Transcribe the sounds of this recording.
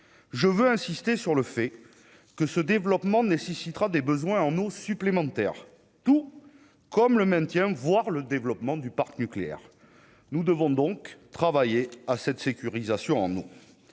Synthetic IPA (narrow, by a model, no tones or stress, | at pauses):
ʒəvøɛ̃sist̪esyʁləfɛ | kəsəd̪evlɔpmɑ̃nesesit̪ʁad̪ebəzwɛ̃ɑ̃nosyplemɑ̃t̪ɛ̰ʁ | t̪u | kɔmləmɛ̃t̪jɛ̃vwaʁləd̪evlɔpmɑ̃d̪ypaʁknykleɛ̰ʁ | nud̪əvɔ̃d̪ɔ̃kt̪χavajeasɛt̪sekʲyʁizasjɔ̃ɑ̰̃no